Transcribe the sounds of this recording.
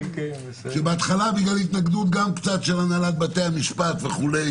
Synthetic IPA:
ʃebeat̪χalabiɡlalit̪naɡd̪ut̪̚ɡamkt͡sat̪ʃelanalat̪̚bat̪eamiʃpat̪ve̞χulej

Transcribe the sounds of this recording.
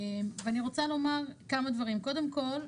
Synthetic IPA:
emveaniʁo̞t͡salo̞maʁkamad̪vaʁimko̞d̪e̞mko̞l

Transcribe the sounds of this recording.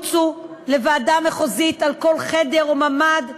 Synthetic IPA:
t͡su | le̞vaːdameχozitalko̞lχe̞de̞ʁomamad̪

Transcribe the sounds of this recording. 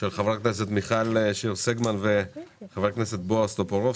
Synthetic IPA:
ʃelχavʁakneset̪miχalʃiʁseɡmanveχavʁakneset̪̚boast̪opoʁo

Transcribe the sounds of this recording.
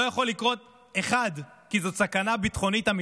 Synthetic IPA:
ojaχo̞lːikʁo̞t̪̚ | e̞χad̪ | kizo̞sakanabit̪χo̞nit̪ami

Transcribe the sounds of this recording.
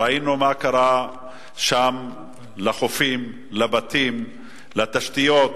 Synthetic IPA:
ainumakaʁa | ʃam | laχofim | labat̪im | lat̪aʃt̪ijot̪

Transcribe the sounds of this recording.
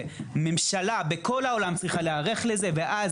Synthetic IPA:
memʃalabeko̞lao̞lamt͡sʁiχaleaʁe̞χleze̞veʔaz

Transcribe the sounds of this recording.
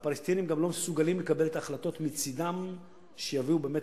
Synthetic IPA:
palest̪inimɡamlo̞mesuɡalimlekabe̞let̪aːχlato̞t̪mit͡sidam | ʃejaviube̞ːme

